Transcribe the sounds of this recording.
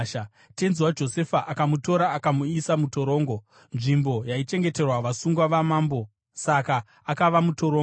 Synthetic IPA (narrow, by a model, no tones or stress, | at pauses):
te̞nzwad͡ʒo̞se̞faʔakamuto̞ɾaːkamuisamuto̞ɾo̞ːŋɡo̞ | nʐimbo̞jait͡ʃe̞ŋɡe̞te̞rwaʋasuŋɡwaʋamaːmbo̞ | saka | akaʋamuto̞ɾo